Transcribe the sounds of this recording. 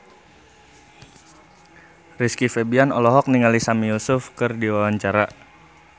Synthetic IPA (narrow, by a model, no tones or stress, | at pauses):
riskifebianɔlɔɦɔk̚niŋalisamijusʊfkɨrdiwawaɲt͡ʃaɾa